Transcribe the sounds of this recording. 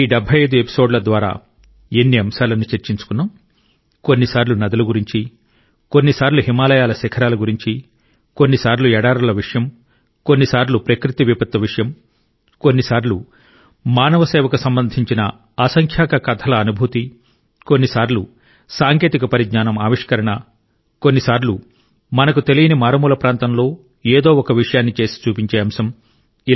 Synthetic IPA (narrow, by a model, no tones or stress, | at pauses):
iːɖɛbʱɐjɐjd̪ue̞pi̥soːɖlɐd̪ʋaːɾa̰ː | enːiɐmʃaːɾlɐnːut͡ʃeɾt͡ʃiɲt͡ʃu̥kunːam | ko̞nːisaːɾlunɐd̪ɐluɡuɾiɲt͡ʃi | ko̞nːisaːɾluɦimaːlɐjaːlɐsɛkʰɐɾaːlɐɡuɾiɲt͡ʃi | konːisaːɾluɛːɽaːɾɐlɐʋiʂɐjɐm | ko̞nːisaːɾlupɾɐkɾit̪iʋipɐt̪ːɐʋiʂɐjɐm | konːisaːɾlu | maːnɐʋɐseːʋɐkusɐmbɐnd̪ʱiɲt͡ʃinɐ | aːsɐŋkʰjaːkɐkɐt̪ʰɐlɐːnubʱut̪i | ko̞nːisaːɾlu | saːŋke̞ːt̪ikɐpɐɾiɡɲaːnɐmaːʋiʂkɐɾɐɳɐ | ko̞nːisaːɾlu | mɐnɐkut̪e̞lijɐnimaːɾɐmuːlɐpɾaːnt̪ɐmlo̞ː | eːd̪o̞ːɔkɐʋiʂɐjaːnːit͡ʃe̞ːsi̥t͡ʃuːpiɲt͡ʃe̞ːɐmsɐm | i